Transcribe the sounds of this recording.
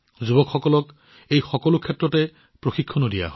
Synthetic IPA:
zubɔkxɔkɔlɔk | ejxɔkɔlʊkʰɛtɹɔtɛ | pɹoxikʰːɔnodija̰ɦɔ

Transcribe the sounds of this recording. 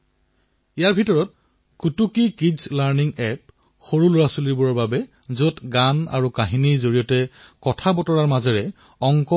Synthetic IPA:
ijaɹbʱitɔɹɔt̚ | kutukikizlaɹniŋɛp̚ | xoɹulʊɹasuliɹbuɹɔɹbabɛ | zotɡana̰ɹukaɦinizoɹijɔtɛkɔtʰabɔtɔɹaɹmazɛɹɛ | ɔŋkɔ

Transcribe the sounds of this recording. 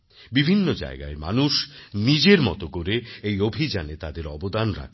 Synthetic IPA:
bibʱinːod͡ʑa̰eɡa̰ema̰nuʃnid͡ʑeɾmɔ̰t̪okoɾeejobʱid͡ʑanet̪ad̪eɾɔbod̪anɾa̰kʰ

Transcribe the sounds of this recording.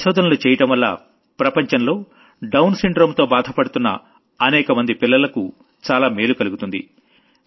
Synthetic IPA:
ʃɔːd̪ʱɐnɐlut͡ʃɛːjɐʈɐmʋɐlːa̰ː | pɾɐpɐɲt͡ʃɐnlo̞ː | ɖɐwnsiɳɖɾo̞ːmt̪o̞ːbaːd̪ʱɐpɐɽut̪unːɐ̰ | ɐnɛːkɐmɐnd̪ipilːɐlɐku | t͡ʃaːlaːme̞ːlukɐluɡut̪und̪ḭ

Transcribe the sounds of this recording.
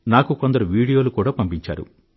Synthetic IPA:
naːkuko̞nd̪ɐɾuʋiːɽijo̞ːlukuːɽaːpɐmpiɲt͡ʃa̰ːɾṵ

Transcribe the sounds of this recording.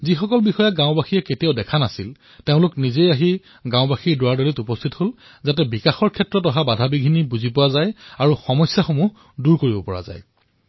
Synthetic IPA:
zixɔkɔlbixɔjaɡãʊ̃baxijɛketioʊdɛkʰanasil | teʊ̃lʊknizejaɦi | ɡãʊbaxiɹdʊaɹdolitupɔstʰithol | zat̬ɛbikaxɔɹkʰɛtːɹɔtɔɦabadʱabiɡʱinibuzipʊwazajaɹuxɔmɔsjaxomu | duɹkoɹibɔpɔɹa̰za̰j

